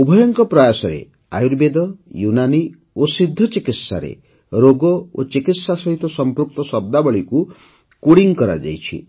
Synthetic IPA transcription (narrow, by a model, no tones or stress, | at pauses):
ubʱɔjɔŋkɔpɾɔjasɔɾḛ | a̰juɾbed̪ɔjunani | osid̪ʱːɔt͡ʃikit̪sa̰ɾḛ | ɾoɡɔot͡ʃikit̪sasɔɦit̪ɔsɔmpɾuk̚t̪ɔsɔb̚d̪abɔɭiku | kuɽiŋkɔɾa̰d͡ʒa̰jt͡ʃʰḭ